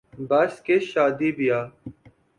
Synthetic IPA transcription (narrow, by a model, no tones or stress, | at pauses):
baskeʃaːd̪iːbijaː